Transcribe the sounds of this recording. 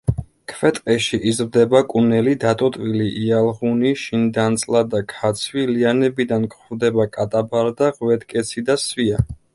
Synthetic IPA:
kʰvɛt̪ʼqʼɛʃiʔizɾd̪ɛbakʼunɛlid̪at̪ʼɔt̪ʼwiliʔialˠʁuniʃind̪ant̪sʼlad̪akʰat̪sʰwilianɛbid̪ankʼχvd̪ɛbakʼat̪ʼabaɾd̪aʁwɛt̪kʼɛt̪sʰid̪asvia

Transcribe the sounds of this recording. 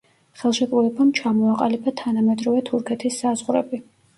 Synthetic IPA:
χɛlˠʃɛk̪ʼulɛbamt͡ʃʰamɔaqʼalibat̪ʰanamɛd̪ɾɔvɛt̪ʰuɾkʰɛt̪ʰisːazʁɾɛ̰bi

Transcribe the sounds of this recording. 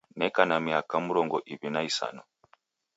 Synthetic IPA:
nɛkanamiakamuɾɔŋɡɔʔiβinaisa̰nɔ

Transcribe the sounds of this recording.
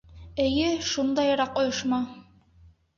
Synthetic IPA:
ɘ̆jɘʃund̪ɑjɾɑqŏjŏʃmɑ

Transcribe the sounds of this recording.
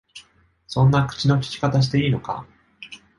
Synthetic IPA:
sõ̞nːakɯ̟̥t͡ɕino̞k̬ʲi̥kʲi̥kat̪aɕ̬i̥t̪e̞iːno̞ka̰

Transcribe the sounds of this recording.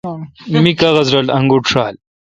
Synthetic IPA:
mikɐɣɐzɾɐlɐŋɡuʈʂaːl

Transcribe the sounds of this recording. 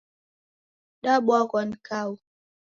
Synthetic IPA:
ɗaɓɔkɔnkaw

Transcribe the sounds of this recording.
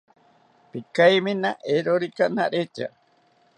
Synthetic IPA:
pikajminaʔeɾoɾikanaɾet͡ʃa̰

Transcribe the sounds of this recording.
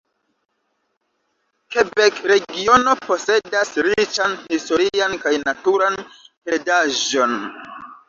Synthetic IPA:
ke̞bekɾe̞ɡio̞no̞po̞se̞dasɾit͡ʃanhisto̞ɾiankajnatuɾanpe̞daʒo̞n

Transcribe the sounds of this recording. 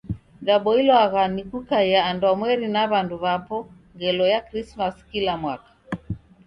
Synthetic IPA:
ɗaɓɔilɔaɣanikukajaːndwamwɛɾinaβanduβapɔ | ŋɡɛlɔjakɾismaskilamwakḁ

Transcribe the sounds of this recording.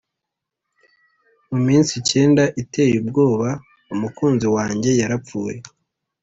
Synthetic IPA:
mumiːnsice̞ːndaʔite̞ːjubɡo̞ːβa | umukuːnziwaːɲɟe̞jaɾap͡fuːje

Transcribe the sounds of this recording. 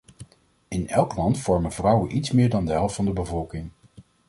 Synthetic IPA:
ɪnɛlˠklɑntfɔɹmənvrʌwənʔitsmɪːɹdɑndəɦɛlˠftfɑndəbəvɔlˠkɪŋ

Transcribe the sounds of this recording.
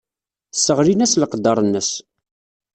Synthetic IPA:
sːəʁɾinæsləqd̪ɑɾˤənːəs

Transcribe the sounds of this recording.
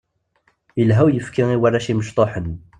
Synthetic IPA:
əlɦæwjəfkiiwæɾæʃiməʃt̪ˤoħən

